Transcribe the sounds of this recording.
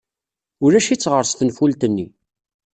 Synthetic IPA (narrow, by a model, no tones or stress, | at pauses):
ʊɾæʃit͡sːʁəɾsθənfult̪ənːḭ